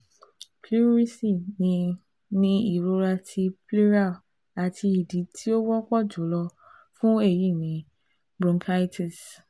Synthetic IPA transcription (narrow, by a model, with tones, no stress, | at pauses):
kli˦ɾi˦si˦˨nĩ˧ | nĩ˦i˦˨ɾo˧˦ɾa˧tʰi˧ple˦ɾa˦˨ | a˨tʰi˧i˨di˨˦tʰi˦o˦wɔ˦kɔ˦˨d͡ʒo˨˦lɔ˧ | fũ˦e˦˨ji˦˨nĩ˨˦ | bɾũ˧mkʰa˦tʰi˨s